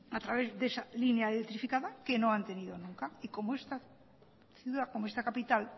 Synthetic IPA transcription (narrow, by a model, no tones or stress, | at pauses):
at̪ɾaβezðesalineaeðent̪ɾifikaðakenõŋant̪eniðonũŋkaikomoest̪a | θjuðakomoest̪akapit̪al